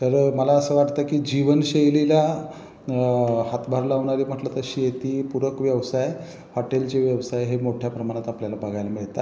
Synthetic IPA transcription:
t̪əɾməlaəsəːʋaʈt̪əkiːd͡ʑiʋənɕejlelja | ɦat̪bʱaɾlaʋɳ̃aɾiːm̤əʈlət̪əɕiːjet̪iːpuɾəkʋjəʋsaj | hɔʈelt͡ɕeʋjəʋsajɦemoʈʰjapɾəmaɽ̃at̪apljalabəɡʱajlamiɭt̪a

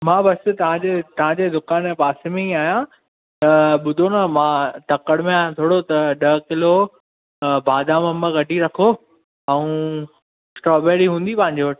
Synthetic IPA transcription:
mãːbɐst̪ɐʋ̤ãd͡ʑet̪ɐʋ̤ãd͡ʑeːd̪ʊkaːnpaːsemẽiaːjã | t̪ɐɓʊd̪ʱonɐmãːt̪ɐkəɽmẽaːjãt̪ʰoːɽot̪ɐɗɐɦkɪlo | bʱaːd̪ʱãmɐ̃məɡɐɖʱiɾɐkʰo | ɛũ | sʈɾɔːbeːɾiɦũːn̆d̪ipɐ̃ɦɪ̃ɲd͡ʑoɐʈ

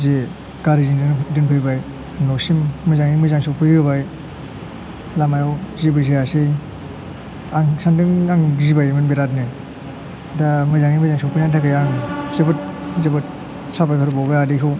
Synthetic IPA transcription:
ze | ɡ̥aɾizindɯndɯŋpʰɯjbaj | nɔsimːɯzaŋimɯzaŋsɔwpʰɯjɡɯbaj | lamajɔwzibɯzejasej | aŋsandɯŋaŋzibajmɯnbeɾat̬̚ne | damɯzaŋimɯzaŋsɔpʰɯjnantʰakajaŋzebɯt̚zebɯt̚ | sapajkʰaɾubawbajadikʰɯw

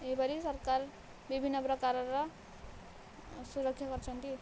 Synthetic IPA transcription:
eibʌɾisʌɾkar | bibʱinːʌpɾʌkaɾʌɾʌ | suɾʌkʰːɕjaɡʌɾt͡sʰʌnk̪i

